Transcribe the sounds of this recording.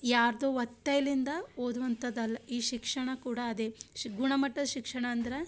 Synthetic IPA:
jaːɾd̪oːʋɐt̪ːɐjɐlind̪ɐoːd̪uʋɐnt̪ɐd̪ɐlːɐiːʃikʂɐɳɐkuːɽɐːd̪e̞ɡuɳɐmɐʈːɐd̪ɐʃikʂɐɳɐːnd̪ɐɾe

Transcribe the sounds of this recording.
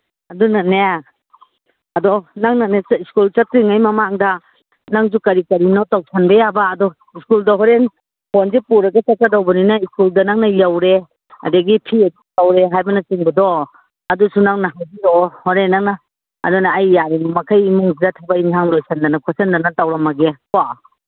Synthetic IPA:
ɐdunane | ɐdɔnaŋnaneiskult͡ʃatuŋajmɐmaŋdɐ | naŋzukɐɾikɐɾinɔtawsʰanbɐjabaːdɔ | iskuldɐɦɔɾen | honzepuɾɐɡɐt͡ʃakadawbɐninaiskuldɐnaŋnajawɾe | ɐ̰dɐɡipʰiɐditawɾeɦajbɐnɐt͡ʃiŋbɐdɔ | ɐdusunaŋnɐɦajbiɾɔhɔɾenːaŋnɐ | ɐ̰dɔnaːjːaɾimmɐkʰajimuŋziɾatʰabainsʰaŋlojsandɐnɐkʰɔsɐndanatawɾɐmɐɡepa

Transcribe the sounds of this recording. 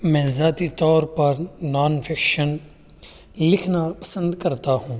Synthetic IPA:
mɛ̃ːzaːt̪it̪ɔːɾpɐɾnaːnfʰɪkʃən | lɪkʰnapɐ̥sə̃nd̪kɐɾt̪aɦũː

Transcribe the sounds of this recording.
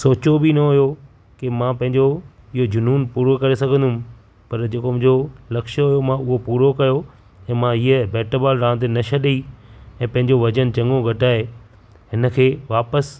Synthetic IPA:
soːt͡ɕobɪnɐɦʊjo | kɪmãpɐ̃ɦɪ̃ɲd͡ʑo | ɪɦod͡ʑʊnuːnpuːɾokɐɾesɐɡʱə̃nd̪ʊm | pɐɾd͡ʑeːkomʊ̃ːd͡ʑolɐkʃəɦʊjomãʊɦopuːɾokɐjo | ɛ̃ːmãɦiːəbɛːʈəbaːlɾãːnt̪enɐʃɐɗiɛ̃ːpɐ̃ɦɪ̃ɲd͡ʑoʋɐd͡ʑənt͡ɕɐ̃ŋɡõɡʱɐʈaːɦe | hɪnə̆kʰeːʋaːpəs

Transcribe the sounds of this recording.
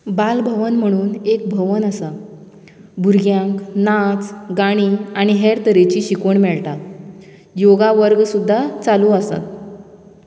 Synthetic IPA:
balbʱəʋənm̤əɽ̃uːnek̚bʱəʋənəsa | bʱuɾɡjãŋknat͡sɡaɽ̃iːaɽ̃iɦeɾt̪əɾet͡ɕiːɕikoɳmɛɭʈa | joɡaʋəɾɡsud̪ʱːat͡salũəsa̰t̪

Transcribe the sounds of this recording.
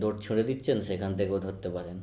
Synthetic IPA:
d̪oʈt͡ɕʰuɽed̪itːɕʰenʃekʰant̪ʰekeod̪ʱɦot̪ːepaɾen

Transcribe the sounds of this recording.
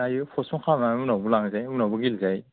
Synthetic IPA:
ajɯpʰɔsmɔkʰamamunabulaŋzajmunabuɡilzaj

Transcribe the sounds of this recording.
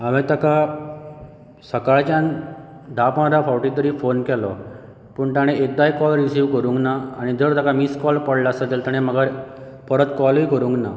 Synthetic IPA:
amet̪aka | səkaɭt͡ɕan | d̪ʱapãɳɾafawʈĩt̪əɾiːfonkɛlɔ | pəːɳt̪aɽ̃ẽek̚d̪ajkɔlɾisiːʋkəɾũŋknaːɽ̃id͡zəɾt̪akamiskɔlpəɽlasət̪elt̪əɽ̃eməɡa | pəɾət̪kɔlɦikəɾũŋkna

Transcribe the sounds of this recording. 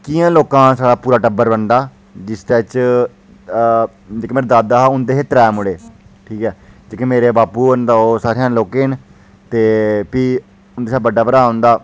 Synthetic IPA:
kiːãːloːkãːsaːɽaːpuːɾaːʈəbəɾbəɳd̪aː | d͡ʒɪst̪eːt͡ʃ | d͡ʒeːkeːmeːɾeːd̪aːd̪aːɦaːʊnd̪eːɦeːt̪ɾɛːmʊɽeːʈʰiːkɛːd͡ʒeːkemeːɾeːbaːpuːənd̪aːoːsaːɾeãːnloːkeːn | t̪eːpiː | ʊnd̪eːsabəɖaːbəɾaːõnd̪aː

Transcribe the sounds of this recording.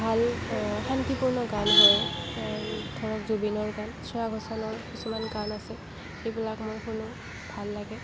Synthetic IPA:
bʱalxant̪ipuɹnɔɡanɦoj | dʰʱɔɹɔkzubinɔɹɡansɔɹaɡʱɔsanɔɹkisumankanasɛ | xejbilakmɔjxʊnʊ | bʱalːaɡɛ

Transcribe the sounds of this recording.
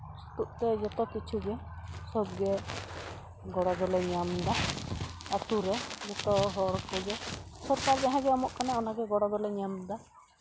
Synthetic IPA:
st̪uʔt̪ɛd͡ʒɔt̪ɔkit͡ʃʰuɡɛsɔbɡɛ | ɡɔɽad̪ɔlɛɲamd̪a | at̪uɾɛd͡ʒɔt̪ɔɦɔɾkɔɡɛsɔɾkaɾɡɛaɦãɡɛɔmɔʔkanɛɔnaɡɛɡɔɽad̪ɔlɛɲamd̪a

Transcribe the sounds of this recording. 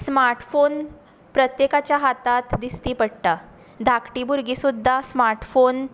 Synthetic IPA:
smaɾʈfon | pɾət̪jekat͡ɕjaɦat̪at̪d̪ist̪iːpəɽt̪a | d̪ʱakʈiːbuɾɡisud̪ʱːasmaɾʈfon

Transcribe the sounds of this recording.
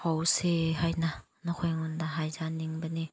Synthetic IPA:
hawsehajna | nɔkʰɔjŋundaɦajzaniŋbəni

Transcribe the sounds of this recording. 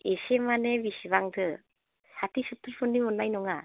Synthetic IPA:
esemanebisiβaŋdɯ | satisɯtːɯɾpʰɯnːimɔnːajnɔŋa

